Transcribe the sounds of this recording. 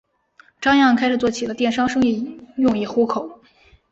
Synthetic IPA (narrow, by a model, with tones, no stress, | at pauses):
ʈ͡ʂɑ˥ŋjɑ˥˩ŋkʰa˥ɪʂɻ̩˨˩t͡swɔ˥˩t͡ɕʰi˨˩lə˦t̪jɛ˥˩nʂɑ˥ŋʂɤ˥ŋi˥˩jʊ˥˧ŋi˥˩xu˥kʰo˨˩˦